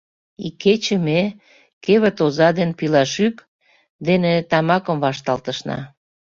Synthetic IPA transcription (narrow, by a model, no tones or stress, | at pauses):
ikːet͡ɕeme | keβə̆t̪ozɑd̪enpilɑʃyk | d̪enet̪ɑmɑkə̆mvɑʃt̪ɑlt̪əʃnɑ̰